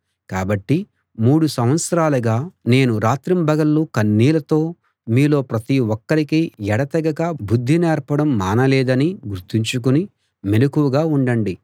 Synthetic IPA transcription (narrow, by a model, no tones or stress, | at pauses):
kaːbɐʈːi | muːɽusɐmʋɐt̪sɐɾaːluɡaːne̞ːnuɾaːt̪ɾimbɐɡɐlːukɐnːiːlɐt̪o̞ː | miːlo̞ːpɾɐt̪iʋɔkːɐɾikiɛɽɐt̪ɐɡɐkɐbud̪ʱːineɐɾpɐɽɐmːaːnɐlɛːd̪ɐniɡuɾt̪iɲt͡ʃuk̬uni | me̞lukuʋuɡaːuɳɖɐɳɖi